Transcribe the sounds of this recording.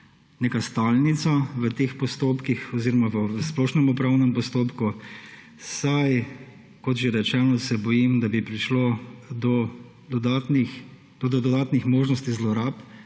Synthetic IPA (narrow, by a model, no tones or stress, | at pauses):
neːkast̪aːlnit̪saʋət̪expɔst̪oːpkixɔziɾɔmaʋəsplɔːʃnɛmɔpɾaːwnɛmpɔst̪oːpku | saj | kɔt̪ʒeɛɾɛt͡ʃɛnɔsɛbɔjimd̪abipɾiʃlod̪ɔ | d̪ɔd̪at̪nix | d̪ɔd̪ɔd̪ɔd̪aːt̪nixmoːʒnɔst̪izlɔɾaːp